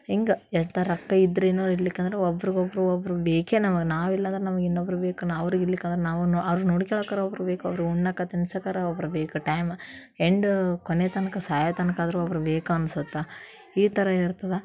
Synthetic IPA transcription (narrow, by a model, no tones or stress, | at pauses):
iŋɡɐɛnt̪ɐɾɐkːɐid̪ːɐɾeinːoʋɾilːikːeːnd̪ɐɾeɔbːɐɾiɡɔbːɐɾuɐbɐɾubeːkenɐmɐɡenaːʋilːɐnd̪ɐɾenɐmɐɡinːobɐɾubeːkunaɐʋɐɾiɡiɾlikːend̪ɾenaːʋunɐʋɐɾunoːɽikɛɭoːkaːɾɐobɐɾubeːkuɐ̰ʋɐɾiɡuɳːakːɐt̪inisɐkaːɾɐɔbɐɾubeːkuʈɐjm | eɳɖkonet̪ɐnɐkɐsaːjɐt̪ɐnɐkaːd̪ɐɾuɐʋɐɾubeːkuɐnsut̪ːe | iːt̪ɐɾɐiɾt̪ɐd̪e